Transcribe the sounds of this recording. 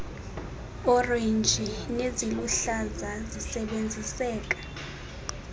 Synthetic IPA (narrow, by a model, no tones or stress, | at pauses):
ɔrend͡ʒʱineziluɬazazisɛɓend͡zʱisɛːk̬ʼḁ